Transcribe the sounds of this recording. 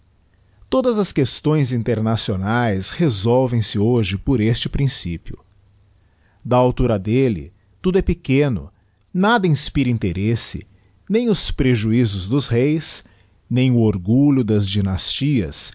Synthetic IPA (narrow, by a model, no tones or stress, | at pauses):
t̪od̪ɐzɐskest̪õj̃zĩnt̪eɾnasionajshezɔwvẽj̃sɪoʒɪpoɾest͡ʃɪpɾĩsḭpjʊ̰ | d̪ɐawt̪uɾɐd̪elɪ̰ | t̪ud̪ʊɛpɪkẽnʊ̰ | nad̪ɐĩspiɾĩnt̪eɾesɪ̰ | nẽj̃ʊspɾeʒuizʊzd̪ʊzhejs | nẽj̃ʊoɾɡuʎʊd̪ɐzd͡ʒinast͡ʃiɐ̰s